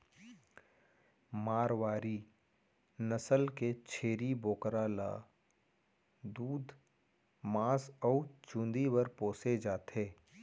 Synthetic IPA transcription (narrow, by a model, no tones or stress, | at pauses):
maːɾwaːɾi | nəsəlket͡ʃʰeːɾiboːkɾala̰ː | d̪uːd̪ | maːsɔːt͡ʃũːnd̪iwəɾpoːsed͡ʒaːt̪eː